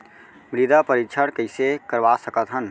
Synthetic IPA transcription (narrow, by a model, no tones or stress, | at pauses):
mɾid̪apəɾit͡ʃʰəɽkəɪsekəɾʋasəkət̪ɦən